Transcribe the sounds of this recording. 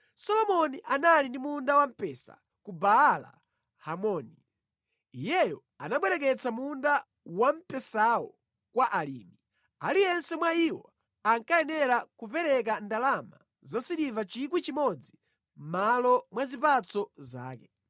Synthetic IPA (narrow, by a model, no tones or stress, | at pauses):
sɔlɔmɔniʔanalindimundawam̩pɛːsa̰ | kubaːla̰ | hamɔni | ijɛjɔ | anaɓwɛɾɛk̬ɛt͡samunda | wam̩pɛsaɔ | kwaʔalḭːmi | alijɛnsɛmwaiwɔ | aŋkaɛnɛɾakupɛɾɛk̬andalama | zasiɗivat͡ʃikwit͡ʃimɔd͡zi | m̩malɔmwazipat͡sɔza̰ːkɛ